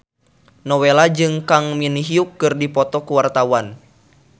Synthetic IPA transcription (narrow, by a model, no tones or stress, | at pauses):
nɔwelad͡ʒɨŋkaŋminiɦiukːɨrdipɔt̪ɔkuwart̪awan